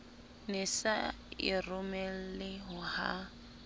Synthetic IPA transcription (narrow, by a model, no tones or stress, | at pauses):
nɪsaɪ̰rʊmɛl̩lɪɦʊha̰